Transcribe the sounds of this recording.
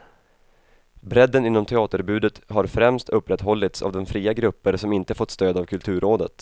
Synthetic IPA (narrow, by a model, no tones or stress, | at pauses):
bɾɛd̪ːənɪnːɔmt̪ʰɛɑːt̪əɾbʉ̟ːd̪ət̪ɦaɾfɾɛmst̪ʰɵpːɾɛt̪ːɦɔlːɪt̪sa̰vd̪ɔnfɾiːaɡɾɵpːəɾsɔmɪnt̪əfɔt̪ːst̪øːd̪avkʰɵlt̪ʰʉ̟ːɾʔoːd̪ət̪